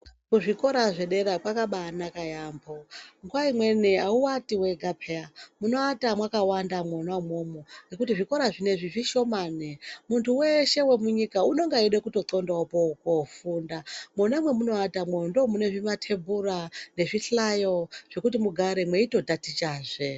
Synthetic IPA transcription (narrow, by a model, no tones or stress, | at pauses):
kuʐiko̞ɾaʐe̞ɗe̞ɾapwakaɓanakajaːmboŋɡuwaimwe̞niauwatiwe̞ɡʱapʰeamuno̞atamwakawandamwonamomoŋɡekutiʐiko̞ɾaʐine̞ʐiʐiʃo̞maːnemuntʰuwe̞ʃe̞we̞muɲikauno̞ŋɡaiɗekuto̞ǀo̞ndaopokofundamonamwe̞muno̞atamwendomune̞ʐimatʰe̞burane̞ʐiɬajo̞ʐ̥e̞kutimuɡʱaɾemwe̞ito̞dʱatit͡ʃaːʐe